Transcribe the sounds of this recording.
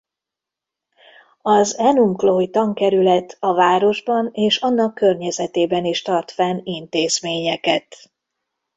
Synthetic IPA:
ɒzɛnumkloːjt̪ɒŋkɛɾylɛt̪ʰːɒvaːɾo̞ʒbɒneːʃɒnːɒkːørɲɛzɛt̪eːbɛniʃt̪ɒrt̪fɛnint̪eːzmeːɲɛkɛt̪

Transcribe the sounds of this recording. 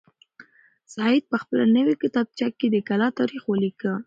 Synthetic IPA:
sɑɪd̪̚pəxpəla̰nəwikɪt̪ɑb̚t͡ʃakːed̪əkalɑt̪ɑɾixwəlikə

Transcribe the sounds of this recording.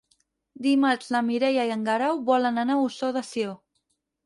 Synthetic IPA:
d̪imat͡ʃlamiɾɛjaiəŋɡaɾawβɔlənanausoðasio

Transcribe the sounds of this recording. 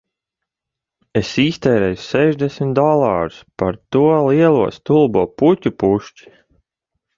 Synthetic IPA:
esiːst̪ɛːɾɛjsɛʒd̪ɛsmʲit̪d̪ɔlˠaːɾuspaɾt̪uɔliɛlˠuɔst̪ulˠbuːputʲupuʃt͡ʃi̥

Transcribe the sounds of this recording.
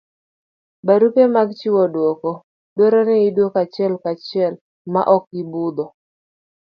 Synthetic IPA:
baɾupemaɡt͡ʃiwɔdwɔkɔ | deɾɔnɛidwokat͡ʃɪɛlkat͡ʃɪɛl | ma̰ʔɔk̚ɪbud̪ɔ

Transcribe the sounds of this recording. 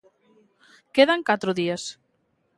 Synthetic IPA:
keðaŋkat̪ɾoðias

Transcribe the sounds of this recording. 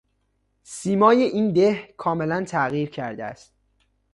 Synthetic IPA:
siːmɒːje̞ʔiːnd̪ehkʰɒːme̞lænt̪ʰæɣiːɾcʰæɾd̪eæ̰st̪̚

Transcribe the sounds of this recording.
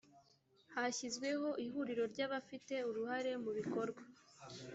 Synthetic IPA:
haçizɡwe̞ho̞ʔihuɾiɾo̞ɾɟaːβafite̞uɾuhaɾe̞muβiko̞ɾɡwa

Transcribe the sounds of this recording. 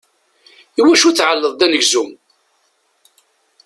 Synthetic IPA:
iwæʃuθʕəlːəðˤd̪ænəʝzum

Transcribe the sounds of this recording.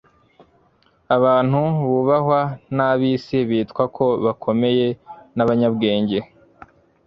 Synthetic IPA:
aβaːn̥huβuβahwanaβisiβiːtkwakʰo̞βakʰo̞me̞je̞naβaɲabɡe̞ːɲɟe̞

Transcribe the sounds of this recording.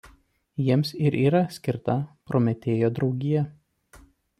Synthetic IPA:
jiɛmsɪɾʔiːɾɐsʲkʲɪɾt̪ɐpɾoːmʲɛt̪ʲeːjoːd̪ɾɒʊɡʲɪjɛ

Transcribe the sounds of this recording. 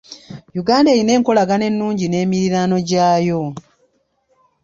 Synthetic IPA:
juɡaːnde̞ːjine̞ːŋko̞laɡane̞nːuːɲɟine̞ːmiɾiɾaːno̞ɟaːjo̞

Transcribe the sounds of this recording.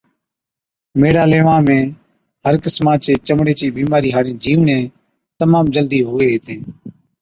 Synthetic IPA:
meːɽaːleːʋãːmẽː | ɦəɾkəsmãːt͡ʃeːt͡ʃəmɽeːt͡ʃiːɓiːmaːɾiːɦaːɽẽːd͡ʒiːʋnẽː | t̪əmãːmd͡ʒəld̪iːɦʊʋeːɦːt̪ʰeː

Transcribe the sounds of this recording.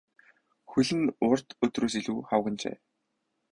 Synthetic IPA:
xuɮɘ̆nʊr̥t̪ɵt̪roːs̬iɮuːχawɣə̆nt͡ɕḛː

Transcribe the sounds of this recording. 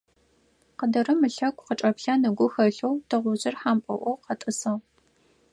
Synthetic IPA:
qədɐɾɨmɨɬɐkʷʼqəʈ͡ʂʼɐpɬanɨɡʷʊxɐɬowtʰɐʁʷʊʑɪrħaːmpʼɐ̰ʔʷɔwqɐtʼɨsɐʁ

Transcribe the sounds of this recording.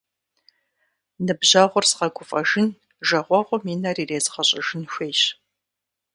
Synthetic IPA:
nɨbʑaːʁʷʊrsqɐɡʷʊfʼɐʒɪn | ʒɐʁʷɔʁʷɔmiːnariːreːzqɐɕʼɐʒɪnʃʷeːɕ

